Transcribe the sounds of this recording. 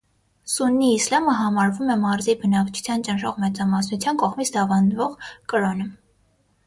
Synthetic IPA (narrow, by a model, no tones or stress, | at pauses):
sunːiːslɑməɦɑmɑɾvumɛmɑɾzibənɑkt͡ʃʰu̥t͡sʰjɑnt͡ʃənʃɔʁmɛt͡sɑmɑsnut͡sʰjɑnkɔʁmit͡sʰd̪ɑvɑnvɔʁkəɾɔnə